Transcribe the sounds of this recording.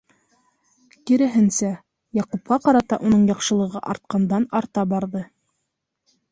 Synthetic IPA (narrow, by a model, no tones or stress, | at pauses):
kiɾɘ̆ɦɘnsæ | jɑqupqɑqɑɾɑt̪ɑ̰ʔunɤɴjɑqʃɤ̆lˠɤ̆ʁɤʔɑɾt̪̚qɑnd̪ɑnɑɾt̪ɑbɑɾðɤ